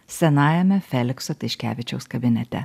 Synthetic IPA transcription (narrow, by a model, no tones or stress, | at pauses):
sʲɛnɑːjɛmʲɛfʲɛlʲɪksɔt̪ʲɐɪʃʲkʲæ̰ːʋʲɪt͡ʃʲɛʊskɐbʲɪnʲɛt̪ʲɛ̰